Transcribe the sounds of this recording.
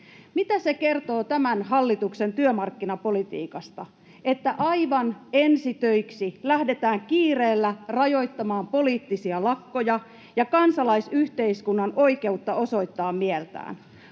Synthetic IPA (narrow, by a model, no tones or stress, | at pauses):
mit̪æse̞ke̞rt̪o̞ːt̪æmænɦɑlːit̪ukse̞nt̪yømɑrkːinɑpo̞lit̪ḭːkɑst̪ɑ | et̪ːæʔɑjʋɑne̞nsit̪øjksilæhde̞t̪æːŋkiːreːlːærɑjo̞jt̪ːɑmɑːmpo̞liːt̪ːisiɑlɑkːo̞jɑ | jɑkɑnsɑlɑisyht̪eiskunːɑno̞ike̞ut̪ːɑo̞so̞it̪ːɑːmmielt̪æ̰ːn